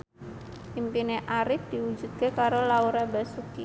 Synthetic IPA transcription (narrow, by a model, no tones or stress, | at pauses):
impineʔaɾɪf̚d̪̥iwu̥d͡ʒṳt̪̚kekaɾolauɾabasuki